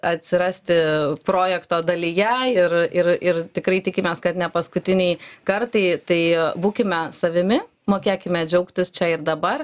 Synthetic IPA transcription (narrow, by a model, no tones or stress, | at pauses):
ɐt̪ʲsʲɪɾɑːsʲt̪ʲɪpɾoːjɛkt̪oːd̪ɐlʲijɛɪrɪrɪrt̪ʲɪkɾɐɪt̪ʲɪkʲɪmʲeːskɐt̪nʲɛpɐskʊt̪ʲɪnʲɛɪkɐrt̪ɐɪt̪ɐɪbuːkʲɪmʲɛsɐʋʲɪmʲɪ | moːkʲeːkʲɪmʲɛːd͡ʒʲɛʊkt̪ʲɪst͡ʃʲɛɪɾd̪ɐbɐr